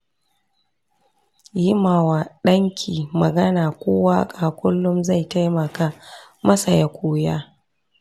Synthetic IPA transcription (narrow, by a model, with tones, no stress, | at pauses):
jɪ˦maː˨waː˨ɗɐ˦ŋkʲʰiː˨mɐ˨ɡɐ˦naː˨kʷoː˦waː˦kʼaː˨kʷʊ˦lːʊ˦mza˦˨jta˦jmɐ˨ka˦mɐ˦sa˨ja˦kʷʰoː˦jaː˦